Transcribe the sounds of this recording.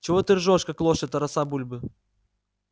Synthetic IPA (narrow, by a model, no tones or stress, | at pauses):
t͡ʃɪvɔt̪ɨrʐɔʂkɐklˠɔʂɛt̪ɐɾɐsabulʲbɨ